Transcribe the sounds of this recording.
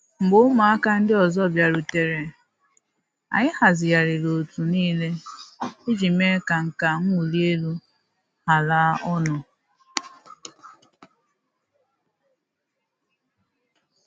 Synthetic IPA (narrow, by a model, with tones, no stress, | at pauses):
ŋ͡m̩˨ɡ͡bo˦ma˨a˦ka˦n̩˦dɪ˦ɔ˨zɔ˦˨bja˨ɾu˨te˨ɾe˨ | a̰˨ɲɪ˦ha˨zɪ˨ja˨ɾɪ˨lo˨tu˨niː˦le˦ | i˦d͡ʒi˨me˦ka˨ŋ̩˨ka˨ŋ̩˦u˨li˦e˦lu˦ | ha˨la˦ɔ˦nʊ˨